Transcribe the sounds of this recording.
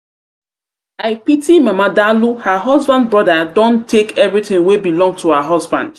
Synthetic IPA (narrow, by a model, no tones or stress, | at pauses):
aɪpitʰimamadaluhaɦɔzbãnd̚bɹɔdadɔ̃ntʰːekɛvɹiθɪ̃ŋwebilɔ̃ŋtʰuaɦɔzbã̰nd̥